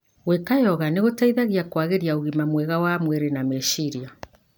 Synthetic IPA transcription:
ɣwekajɔɣaneɣotaiðaɣiakwaɣeɾiaoɣimamwɛɣawamwɛɾenamɛʃiɾia

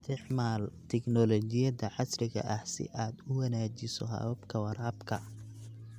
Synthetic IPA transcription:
t̪ʰɪʕmaːlt̪ʰɛknɔlɔt͡ʃɪjɐðɐʕɑsrɪɣɐ̰ʔɐhsɪ̰ʔaːd̪ʊwɑnaːt͡ʃɪsɔ̰ɦɐ̰βɐbkʰɐwɐɾaːbkʰɐ

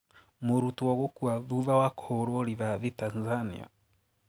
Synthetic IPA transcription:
muɾutwɔɣokuaβuβawakhoɾoɾiβaβitanzanḭa̰

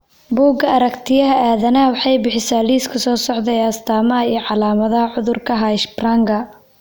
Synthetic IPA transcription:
buːɡɐɐɾɐkt̪ʰɪjɐɦɐaːðɐnɐɐwɑħɑjbɪħɪsaːliːskʰɐsɔːsɔʕðɛjɐst̪ʰaːmɐɦɐiːʕɑlaːmɐðɐɦɐʕʊðʊrkʰɐɦaʃbraːŋɡɐ

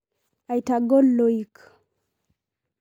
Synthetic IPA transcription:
ajtaɡolːoik

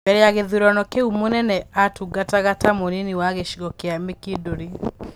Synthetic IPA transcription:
bɛɾeaɣeðuɾɔnɔkeumonɛnɛatuɡataɣatamoneniwaɣeʃiɣɔkeamekedoɾe

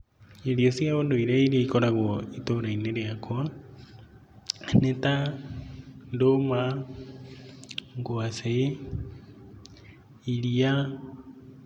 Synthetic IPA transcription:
eɾiɔsjaβondoiɾɛiɾeikoɾaɣɔitoɾaineɾeakʰwa | neta | ndoma | ŋɡwase | iɾia

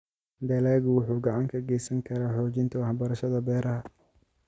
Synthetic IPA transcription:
d̪ɐlaːɣʊwʊħuːɡɑʕɑŋkʰɐɡɛjsɐŋkʰɐɾaːħɔːt͡ʃɪnt̪ʰɐwɑħbɐɾɐʃɐðɐbɛːɾɐɦɐ

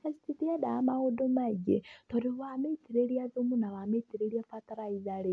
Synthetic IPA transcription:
asi̥titiadaamaodomaiɡḛtoɾiβametiɾeɾiaðumunawametiɾeɾiafataɾaiðaɾe

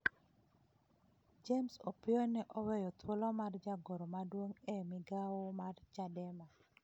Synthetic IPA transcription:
d͡ʒemsopɪonɛʔɔwɛjɔt̪wolɔmard͡ʒaɡoɾomadwoŋɛmɪɡawomart͡ʃadɛma

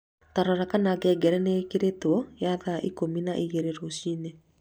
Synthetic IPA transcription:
taɾɔɾakanaɡɛɡɛɾɛnekeɾetwɔjaðaʔikominaʔiɣeɾeɾoɕine

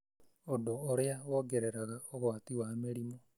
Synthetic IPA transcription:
odoːɾeaɣoɡeɾeɾaɣaoɣwaːtiwameɾimo

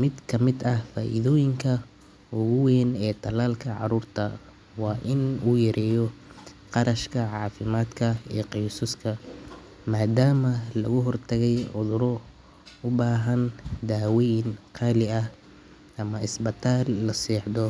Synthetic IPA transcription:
mɪd̪kʰɐmɪd̪ɐhfaːʔɪ̰ðɔːjɪŋkʰɐ | ʊɣʊwɛːnɛːt̪ʰɐlaːlkʰɐʕɑ̰ɾuːrt̪ʰɐ | wɑːʔɪnuːjɐɾɛːjɔ | qɑɾɐʃkʰɐʕɑːfɪmaːd̪kʰɐḭːqijsʊskʰɐ | maːd̪aːmɐlɐɣʊɦɔrt̪ʰɐɣɛjʕʊðʊɾɔ | ʊbaːɦɐnd̪aːwɛjɪnqʰɑːlɪɐ | ʔɐmɐɪsbɪt̪ʰaːlːɐsɛːħd̪ɔ

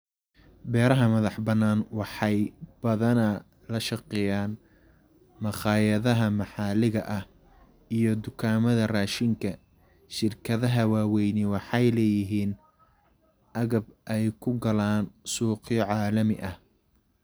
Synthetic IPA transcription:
bɛːɾɐɦɐmɐðɑħbɐnːaːnwɑħɑjb̥ɐðɐnɐ | lɐʃɑqɛjaːn | mɐχɑːjɐðɐɦɐmɑħɑːlɪɣɐʔɐh | ijɞd̪ʊkʰaːmɐðɐraːʃɪŋkʰɐ | ʃɪrkʰɐðɐɦɐwaːwɛjnɪwɑħɑjlɛːjɪɦiːn | ʔɐɣɐbʔɛjkʰʊɡɐlaːnsuːqjɔʕɑːlɐmɪʔɐh

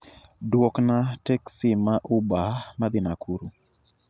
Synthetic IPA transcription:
dwɔknatɛksɪmaʔubamad̪ɪnakuɾu

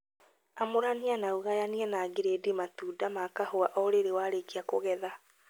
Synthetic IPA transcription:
amoɾanianauɣajaniɛnaɡeɾedematuːdamakahoaʔɔɾeɾewaːɾekiakoɣɛða

